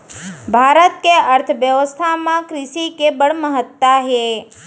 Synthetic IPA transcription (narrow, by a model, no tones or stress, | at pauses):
bʱaɾət̪̚keəɾt̪ʰʋjəʋəst̪ʰamãkɾɪʃikebəɽməɦət̪ːaɦe